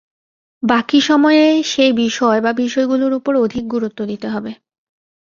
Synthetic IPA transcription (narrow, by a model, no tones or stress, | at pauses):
bakiʃɔmɔeeʃejbiʃɔebabiʃɔeɡuloɾupoɾod̪ʱik̚ɡuɾut̪ːod̪it̪eɦɔbe